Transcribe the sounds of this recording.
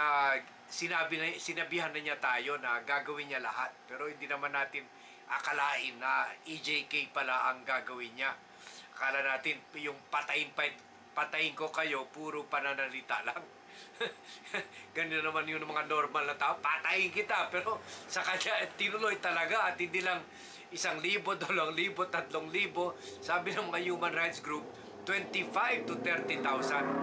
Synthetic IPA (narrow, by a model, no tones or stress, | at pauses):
a | sɪnaːbɪnsɪnɐbihanːɐɲat̪aːjo̞nɐɡaːɡɐwɪnɲːalɐ̰hat̪̚pɛːɾo̞hɪnd̪inɐmanːaːt̪ɪn | ʔakɐlaːʔɪnːɐʔid͡ʒejkɛjpɐlaʔɐŋɡaːɡɐwɪnɲa | kaːlɐnaːt̪ɪnjʊŋpɐt̪ɐjɪnpɐ | pɐt̪ɐjɪŋko̞kɐjo̞puːɾopɐnanɐlɪt̪a̰ʔlaŋ | ɡɐnɪt̪onɐmanjʊnmɐŋanoɾmalnɐt̪aːʔopat̪aʔɪŋkɪt̪apɛːɾo̞sɐkɐɲat̪ɪnʊlojt̪ɐlɐɡaʔɐt̪̚hɪnd̪iːlɐŋ | ʔɪsaŋliːbo̞d̪oloʔɐŋliːbo̞t̪ɐt̪loŋliːbo̞saːbɪnɐŋmɐŋajuːmɐnɾajt̪sɡɾup̚ | t̪wɛnt̪ifajvt̪ʊt̪ɛɾt̪ɪt̪awsɐnd̪